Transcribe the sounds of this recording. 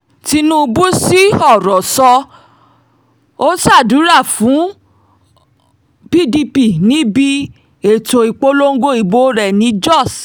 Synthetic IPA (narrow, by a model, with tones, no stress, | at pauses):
ti˧˦nũ˦˧bu˦si˦ɔ˦˨ɾɔ˨sɔ˧ | o˦sa˦˨du˨˦ɾa˦˨fũ˨˦ | b̥i˦di˧pi˦˨nĩ˨˦bi˦ | e˨to˨i˨k͡po˦lo˦ŋ̩˦ɡo˦i˨bo˦ɾɛ˦˨nĩ˧˦d͡ʒɔ˦˨s